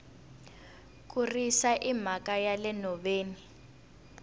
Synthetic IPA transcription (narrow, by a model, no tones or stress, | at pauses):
kurisaʔim̤akajalɛnɔɓeːni